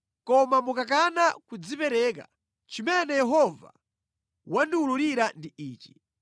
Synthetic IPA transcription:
kɔmamukak̬anakud͡zipɛɾɛk̬a̰ | t͡ʃimɛnɛjɛɦɔva̰ | wandiuluɾiɾandiiːt͡ʃi̥

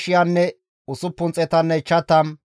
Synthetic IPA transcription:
ʃɪjɐnːɛ | ʊsʊpːʊnt͡sʼɛt̪ɐnːɛt͡ʃːɐt̪ːɐn

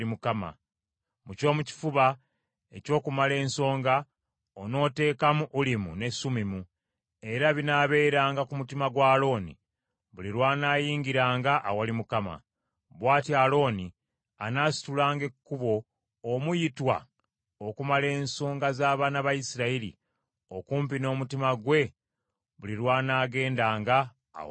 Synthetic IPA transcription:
imukama̰ | muco̞ːmuci̥fuβa | e̞co̞ːkumale̞ːnso̞ːŋɡa | ono̞ːte̞ːkamuʔːlimṵne̞sumimu | e̞ɾaβinaːβe̞ːɾaːŋɡakumutimaɡwaːlo̞ːnḭ | βuliɾwaːnaːjiːŋɡiɾaːŋɡaʔːwalimukama̰ | βwaːtialo̞ːni | anaːsi̥tulaːŋɡe̞kːuβo̞ː | mujitwa̰ | okumale̞ːnsoːŋɡazaːβaːnaβajisiɾailḭ | o̞kuːmp̬ino̞ːmutimaɡwe̞ | βuliɾwaːnaːɡe̞ːndaːŋɡa̰ː

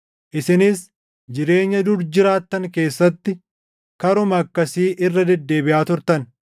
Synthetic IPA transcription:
ʔɪsɪnɪs | d͡ʒɪɾe̞ːɲːɐd̪ʊɾd͡ʒɪɾaːt̪ːɐŋke̞ːsːɐt̪ːɪ | kɐɾʊmɐɐkːɐsiːʔɪrːɐd̪ɛd̪ːe̞ːbɪʔaːt̪ʊɾt̪ɐn

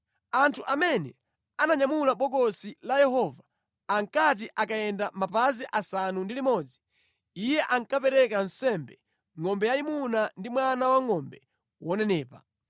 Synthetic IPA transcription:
antʰuʔamɛnɛ | anaɲamulaɓɔɡɔsilajɛɦɔvaː | ŋkat̬iʔakajɛndamapaziʔasanundilimɔːd͡zi | ijɛʔaŋkapɛɾɛkan̩sɛmbɛ | ŋɔmbɛjaimunandimwanawaŋɔmbɛ | wɔnɛnɛːpa̰

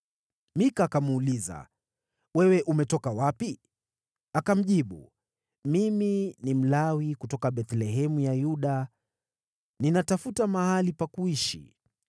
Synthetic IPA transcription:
mikakamːliza̰ | wɛwɛʔumɛtɔkawapi | akam̩ʄiɓṵ | miminim̩lawikutɔkaɓɛt̪lɛɦɛmujajuɗa | ninatafutamahalipakuiʃḭ

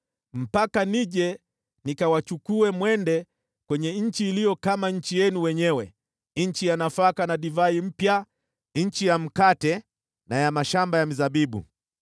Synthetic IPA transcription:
m̩pakaniʄɛ | nikawat͡ʃukuɛmwɛndɛ | kwɛɲɛɲ̩t͡ʃiːlijɔkamaɲ̩t͡ʃijɛnuwɛɲɛwɛ̰ | ɲ̩t͡ʃijanafakanaɗivaim̩pja | ɲ̩t͡ʃijam̩katɛ | najamaʃambajam̩zaɓiɓṵ

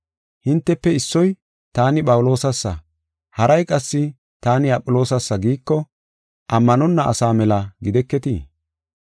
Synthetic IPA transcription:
hɪnt̪ːɛpːɛɪsːɔj | t̪aːnɪpʼɐwʊlo̞ːsɐsːɐ | hɐɾɐjkʼɐsːɪ | t̪aːnɪɐpʼːʊlo̞ːsɐsːɐɡiːkːɔ | ʔɐmːɐnɔnːɐʔɐ̰saːmɛlɐɡɪd̪ɛkːɛt̪iː

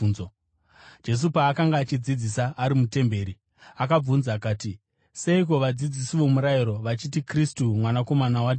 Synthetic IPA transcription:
nzo | d͡ʒe̞s̬upaːkaŋɡaːt͡ʃid͡zid͡zisaːɾimute̞mbe̞ːɾi | akab͡vunzakaːti | se̞ik̬o̞ʋad͡zid͡zisiʋo̞muɾaiɾo̞ʋat͡ʃit̬ikristumwanako̞manawad

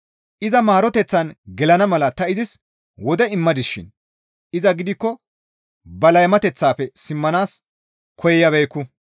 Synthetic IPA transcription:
ʔɪzɐmaːɾɔt̪ɛt͡sːɐnɡɛlɐnɐmɐlɐt̪ɐɪzɪs | wɔd̪ɛɪmːɐd̪ɪsʃɪ̰n | ʔɪzɐɡɪd̪ɪkːɔ | bɐlɐjmɐt̪ɛt͡sːaːpɛsɪmːɐnaːs | kʰɔjɛjɐβɛjkːʊ

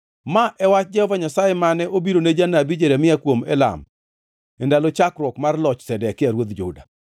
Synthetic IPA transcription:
maʔɛwat͡ʃd͡ʒɛhɔvaɲasajemanɛʔobiɾoned͡ʒanabid͡ʒeɾamɪakwomɛla̰m | ɛndalɔt͡ʃakɾwɔkmarlɔt͡ʃsɛdɛkɪaɾwod̪d͡ʒʊ̰da

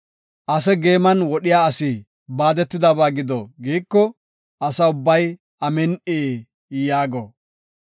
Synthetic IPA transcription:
ʔɐs̬ɛɡe̞ːmɐnwɔɗɪjaːɐsiː | baːd̪ɛt̪ːɪd̪ɐbaːɡɪd̪ɔ̰ɡiːkːɔ | ɐsɐʊbːɐj | ɐmɛnʔeː | jaːɡɔ̰

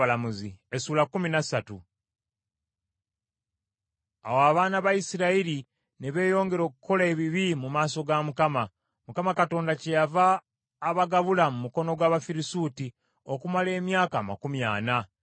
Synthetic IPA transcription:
alamuziesuːlakuminasatṵ | awaβaːnaβaisiɾaiɾi | neβe̞ːjo̞ːŋɡe̞ɾo̞ːkuko̞laeβiβimumaːso̞ɡamukama | mukamakato̞ːndace̞javaː | βaɡaβulamumuko̞no̞ɡwaːβafiɾisuːti | o̞kumale̞ːmjaːkaːma̰kumja̰ːna

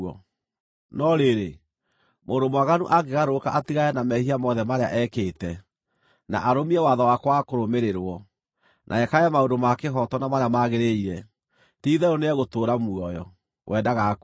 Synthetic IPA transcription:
ɔ̰ | nɔɾeɾe | moːndomwaɣanṵʔaɡeɣaɾokaʔatiɣajɛnamɛhiamɔðɛmaɾea̰ʔɛkeːtɛ | na̰ʔaɾomiɛwaðawakwakoɾomeɾeɾwɔ | nʔa̰ɛkaɛmaodomakeɦɔtɔnamaɾeamaɣeɾeiɾɛ | tiːðɛɾoneɛɣotoːɾamuɔjɔ | wʔɛdaɣak

